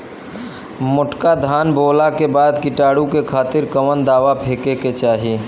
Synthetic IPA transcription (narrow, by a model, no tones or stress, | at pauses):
mʊʈkad̪ʱaːnbʱoːlakebaːd̪kɪʈaːɽũkekʰaːt̪ɪɾkəʋənd̪aːʋapʰeːkeket͡ʃaːɦi